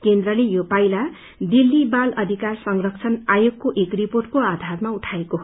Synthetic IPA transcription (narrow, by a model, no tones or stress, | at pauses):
kend̪rʌlejopajla | d̪ilːibalʌd̪ʱikarsʌŋrʌkt͡sʰʌnajoɡkoʔekriporʈ̚koad̪ʱarmauʈʰaekoɦ